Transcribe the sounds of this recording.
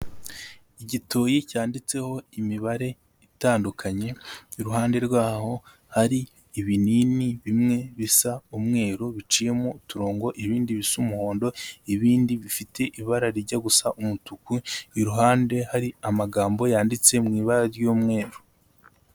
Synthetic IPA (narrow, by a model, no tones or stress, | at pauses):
iɟito̞ːjicaːndit͡se̞ho̞imiβaɾe̞ | itaːndukʰaɲe̞iɾuɦaːnde̞ɾɡwaːho̞ | haɾiː | βininiβimŋe̞βisaumŋe̞ːɾoβit͡ʃiːje̞motuɾoːŋɡo̞ʔiβiːndiβisumuho̞ːndo̞iβiːndiβifite̞ʔiβaɾaɾiɾɟaɡusaʔumutukuiɾuɦaːnde̞haɾiamaɡaːmbo̞jaːndit͡se̞mŋiːβaɾaɾjomŋe̞ːɾo